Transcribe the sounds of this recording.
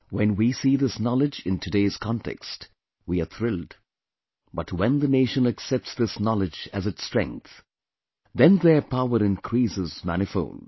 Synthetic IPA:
wɛ̃nwisiðɪsnɑlɨd͡ʒɪ̃ntʰɨdeɪz̥kʰɑ̃ntʰɛ̰kst | wiəθɾɪlˠd | bʌtwɛ̃nðəneɪʃə̃nəksɛp̚tsðɪsnɑlɨd͡ʒɨzɨtstɹ̥ɛ̰̃ŋk̚θ | ðɛ̃nðə˞pʰaʊəɾɪ̃nkʰɾ̥isɪzmæ̰nɨfõ̰ʊ̃n

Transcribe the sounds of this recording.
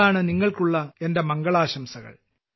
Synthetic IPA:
aːɳɨniŋːɐɭkuɭːɐende̞mɐŋɡɐɭaːɕɐmsɐɣɐ̰ɭ

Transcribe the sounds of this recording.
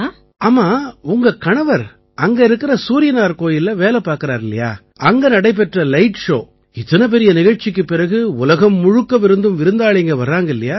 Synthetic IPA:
aːmaːʊŋɡɐkɐɳɐʋɐɾ | ɐŋɡɐɪɾɯkːɪɾɐsuːɾɪjɐnaːɾkoːjɪlɐʋeːlɛpaːɾkɯɾaːɾɪlːɐja̰ː | ɐŋɡɐnɐɽɐɪp̬ːɛʈrɐlɐɪʈʂo̰ː | ɪt̪ːɐnɐp̬ɛɾɪjɐnɪɣɐɻt͡ʃɪk̬ːɯpːɪɾɐɣɯʊlɐɣɐmːʊɻʊkːɐʋɪɾɯnd̪ɯmʋɪɾɯnd̪aːɭɪŋɡɐʋɐrːaːŋɡɐɪlːɐjaː

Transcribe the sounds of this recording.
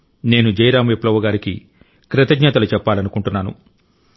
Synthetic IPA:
ne̞ːnud͡ʒɐjɾaːmʋeplɐʋɐɡaːɾikḭ | kɾɐt̪ɐɡɲaːt̪ɐlut͡ʃɛpːaːlɐnukuɳʈunːaːnṵ

